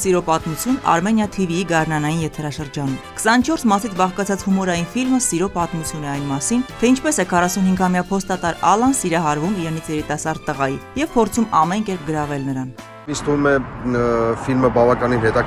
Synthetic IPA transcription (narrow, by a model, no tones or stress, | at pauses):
siɾɔpɑt̪mut͡sʰjunɑ̰ɾmɛnjɑt̪ʰiviiɡɑɾnɑnɑjinjɛt̪ʰɛɾɑʃəɾd͡ʒɑnumkʰə̥sɑnːt͡ʃʰɔɾsmɑsit͡sʰbɑʁkɑt͡sʰɑt͡shumɔɾɑjinfilməsiɾɔpɑt̪mut͡sʰjunɛɑjnmɑsint̪ʰɛint͡ʃʰpɛsɛkʰɑrɑsunhiŋɡɑmjɑpʰɔst̪ɑt̪ɑɾɑlɑnsiɾɑɦɑɾvumiɾɛnit͡sʰjɛɾit̪ɑsɑɾt̪ːəʁɑjijɛvpʰɔɾt͡sʰumɑmɛnkɛɾp̚ɡəɾɑvɛlnəɾɑn | ist̪vumɛ | filməbɑvɑkɑninɦɛt̪ɑ